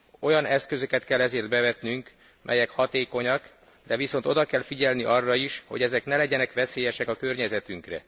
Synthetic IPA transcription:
o̞jɒnɛskø̞zøkɛt̪kɛlːɛzeːrd̪̚bɛvɛt̪nyŋk | mʔɛ̰jɛkhɒt̪eːko̞ɲɒk | d̪ɛviso̞nt̪o̞d̪ɒkɛlfiɟɛlniʔɒrːɒiʃho̞̰ɟɛzɛknɛlɛɟɛnɛkʋɛseːjɛʃɛkɒkørɲɛzɛt̪yŋkrɛ̰

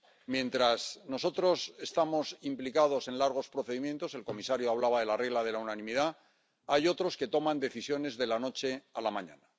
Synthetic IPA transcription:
mjẽ̞nt̪ɾasno̞so̞t̪ɾo̞se̞st̪amo̞simplikað̞o̞se̞nlaɾɣ̞o̞spɾo̞θe̞ðimjẽ̞nt̪o̞se̞lko̞misaɾjoaβ̞laβaðe̞lare̞ɣlaðe̞launanĩmiða | ajo̞t̪ɾo̞ske̞t̪o̞mãnd̪e̞θisjo̞ne̞zðe̞lano̞t͡ʃe̞alamãɲa̰na

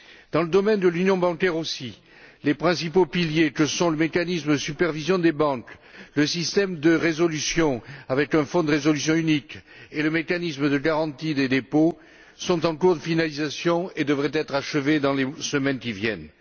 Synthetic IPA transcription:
d̪ɑ̃ləd̪ɔmɛnd̪əlynjɔ̃bɑ̃kɛʁosi | lepχɛ̃sipopiljekəsɔ̃ləmekanismd̪əsypɛʁvizjɔ̃d̪ebɑ̃kləsist̪ɛmd̪əʁezɔlysjɔ̃avɛkɛ̃fɔ̃d̪əʁezɔlysjɔ̃ynik | eləmekanismd̪əɡaʁɑ̃t̪id̪ed̪epo | sɔ̃t̪ɑ̃kuʁd̪əfinalizasjɔ̃ed̪əvʁɛt̪ɛt̪χaʃəved̪ɑ̃lesəmɛnkʲivjɛ̰n

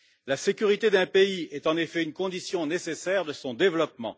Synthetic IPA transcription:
lasekʲyʁit̪ed̪ɛ̃peiɛt̪ɑ̃nefɛynkɔ̃d̪isjɔ̃nesesɛʁd̪əsɔ̃d̪evlɔp̚mɑ̰̃

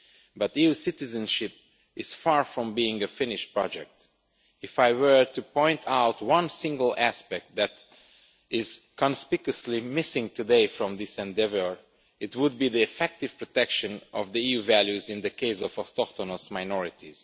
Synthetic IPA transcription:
bʌtiusɪtɨzɨ̃nʃɪp̚ | ɪz̥fɑɹfɹɔ̃mbiɪ̃ŋɨfɪ̃nɪʃ̚pɹ̥ɑd͡ʒɛk̚t | ɨfaɪwə˞tɨpʰɔ̃ɪ̃ntʰaʊtwʌ̃nsɪ̃ŋɡəl̩ˠæspɛk̚t̪̚ðæt | ɪz̥kʰə̃nspɪkəslimɪsɪ̃ŋtʰɨdeɪfɹɔ̃mðɪsɛ̃ndɛvə˞ | ɪtwʊd̚biðiɨfɛk̚tɨv̥pɹɔtɛkʃɨ̃nʔɔvðiiuvælˠjʉzɨ̃nðɨkʰeɪsɔvɔst̪ɔkt̪ɔnosmaɪnɔɹɪtiz̥

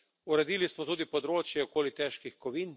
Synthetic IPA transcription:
uɾɛd̪iːlismɔt̪uːd̪ipɔd̪ɾoːt͡ʃjɛɔkoːlit̪ɛːʃkixkɔʋiːn

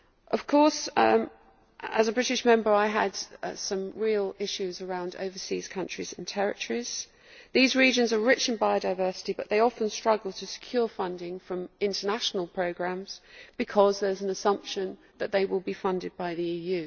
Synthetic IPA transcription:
ʔəv̥kʰɔˑs | əzəbɹɪɾɪʃmɛ̃mbə˞aɪəd̥sʌ̃mɹiːlˠɪʃʉzəɹãʊ̃ndə̰ʊvəsḭːz̥kʰʌ̃nt͡ʃɹ̥iz̥ɪ̃ntʰɛɹɪ̰tʰəɹiz̥ | ðizɹiːd͡ʒə̃nzəɹɪt͡ʃə̃nbaɪəʊɾaɪvɜˑsɪ̥tibʌʔðeɪɒfə̃nstɹ̥ʌɡəl̩ˠtʰəsɪ̥kʰj̥ɔːfʌ̃ndɪ̃ŋfɹə̃mɪ̃ntənaʃənəlˠpʰɹ̥əʊɡɹæ̃mz̥b̥ɨkʰɒzðə˞zə̃nəsʌ̃mpʃə̃n | ðəʔ̪̚ðeɪwɪlˠbifʌ̃ndɪd̚baɪðiiːjʉ

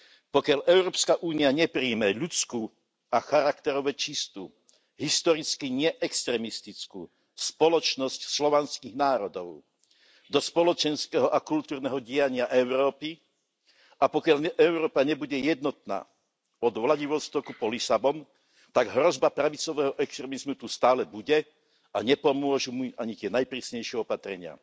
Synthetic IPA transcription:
pɔkɪaʎʔɛʊɾɔːpskaʔuːniaɲɛpɾiːmɛʎut͡skuː | axaɾakt̪ɛɾɔʋɛt͡ʃist̪ṵː | ɦist̪ɔɾit͡skiɲɪɛʔɛkst̪ɾɛmist̪it͡skṵː | spɔlɔt͡ʃnɔscslɔʋanskiɣnaːɾɔd̪ɔʊ | d̪ɔspɔlɔt͡ʃɛnskɛɦɔʔakult̪uːɾnɛɦɔɟɪaɲɪaʔɛʊɾɔːpi | apɔkɪaʎɛʔɛʊɾɔːpaɲɛbuɟɛjɛd̪nɔt̪na̰ː | ɔd̪ʋlaɟiʋɔst̪ɔkupɔlisabɔn | t̪aɡɦɾɔzbapɾaʋit͡sɔʋɛːɦɔʔɛkst̪ɾɛmizmut̪ust̪aːlɛbuɟɛ | aɲɛpɔmʊɔʒumuʔaɲit̪ɪɛnajpɾiːsɲɛjʃɪɛɔpat̪ɾɛɲɪa̰

